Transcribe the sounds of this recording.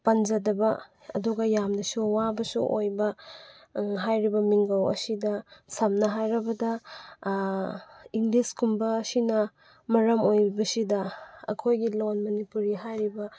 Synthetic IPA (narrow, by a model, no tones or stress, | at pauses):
pɐnd͡ʒɐdɐbɐɐ̰duɡɐjamnɐsuwabɐsṵʔo̰jbɐ | ɦajɾibɐmiŋɡɐwɐ̰sidɐsɐmnɐɦajɾɐbɐdɐ | iŋɡliskumbɐsinɐ | mɐɾɐmojbɐsidɐɐ̰kʰojɡilonmɐnipuɾiɦajɾibɐ